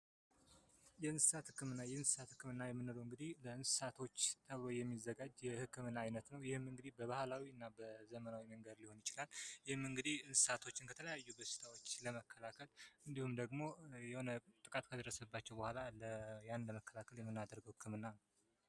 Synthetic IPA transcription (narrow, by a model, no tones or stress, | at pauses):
jɛɨnsɨ̥sat̪hɨkːɨmɨnːajɛɨnsɨ̥sat̪hɨkʰːɨmɨnːajɛmːɨnːɨləwɨŋɡɨd̪ihləɨnsɨ̥sat̪ʰo̞t͡ʃːt̪ʰəβlojɛmːizːəɡad͡ʒjɛhɨkːɨmɨnːaajnət̪nəwjɪhɨmɨŋɡɨd̪ibəβahlawiɨnːabəzəmənawiməŋɡəd̪liho̞njɪt͡ʃɪlaljɪhɨmːɨŋɡɨd̪ihɨnsɨ̥sat̪ʰo̞t͡ʃːɪnkʰət̪ʰələjajːubəʃɨ̥t̪ʰawo̞t͡ʃːləməkʰːəlakʰəlɨnd̪ihumd̪əɡmo̞jɛho̞nət̪ʼɨkʼat̪kʰəd̪ərːəsəbːat͡ʃːɛwbəhʷalaləjanləməkʰːəlakʰəljɛmːɨnːad̪əɾɡəwhɨkʰːɨmɨnːa